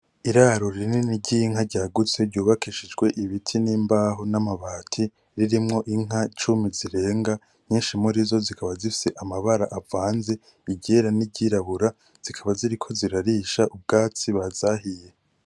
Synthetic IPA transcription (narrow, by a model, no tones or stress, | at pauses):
iɾaːɾoɾiininiɟiŋɦaɾɟaːɡut͡se̞ɾɟuːβakʰiʃid͡ʒɡwe̞ʔiβitʰiniːmbaːɦonamaβaːtʰi | ɾiɾimŋo̞ʔiŋ̥ɦat͡ʃumiziɾe̞ːŋɡa | ɲiːnʃimuɾizo̞zikʰaβazifi̥se̞ʔamaβaɾaʔavaːnze̞ | iɟeɾaniɟiɾaβuɾa | z̥ikʰaβaziɾikʰo̞ziɾaɾiʃaʔub̚ɡaːt͡siβazahije